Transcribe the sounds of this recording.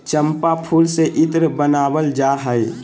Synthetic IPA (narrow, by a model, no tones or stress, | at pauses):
t͡ʃəmpapʰuːlseʔɪt̪ɾəbənaːwəld͡ʒaːɦəe